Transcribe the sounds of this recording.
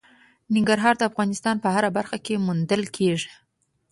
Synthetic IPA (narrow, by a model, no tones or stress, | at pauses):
nɪŋɡaɾɦɑɾd̪əafɣɑnɪst̪ɑnpəhaɾabaɾxakemund̪əlkʰeʐi̥